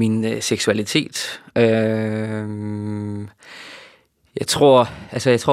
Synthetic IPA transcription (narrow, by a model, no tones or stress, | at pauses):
inseɡ̥suælit͡sʰe̝̰ːd̥ø | jɑ̈ɪt͡sʰʁo̝ɐ̰ælsəjɑ̈ɪt͡sʰʁo̰